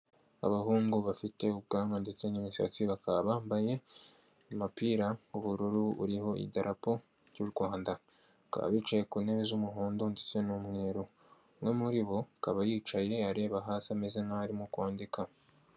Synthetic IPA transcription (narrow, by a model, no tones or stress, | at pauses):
a̰βahuːŋɡuβafite̞ub̚ɡaːmɡandet͡se̞niβiʃa̰t͡siβakaβaːmbaje̞ | amapiːɾauβuɾuɾuṵɾiho̞ʔḭdaɾʔapo | ɾɟuːɾɡwaːnda | ka̰βa̰βiːt͡ʃaje̞kuːne̞βezumuɦoːndondet͡se̞numŋe̞ɾo | mŋe̞muɾiβo̞kaβajiːt͡ʃaje̞aɾe̞ːβaɦaːsamezenaaɾimukwaːndika